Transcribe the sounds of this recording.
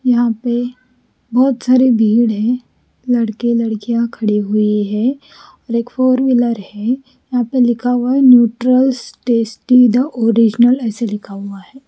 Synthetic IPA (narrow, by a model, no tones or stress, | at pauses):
jɐɦãpe | bɔːt̪saːɾibʱiːɽɦɛ̃ | lɐɽkelɐɽkijãkʰɐɽiɦʊiɦɛ | ɔːɾeːkfoːɾʋiləɾhɛ | jɐɦãpelɪkʰaʋaɦɛnjuːʈɾəlsʈeːsʈid̪aʔoːɾid͡ʒnəlɛːselɪkʰaːʋaɦɛː